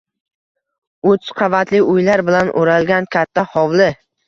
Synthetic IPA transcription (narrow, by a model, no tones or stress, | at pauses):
ot͡ʃ̪qʰɑvat̪lɪʊjlaɾbɪlanʔoɾalɡʲankʲʰat̪ʰːahɒwlɪ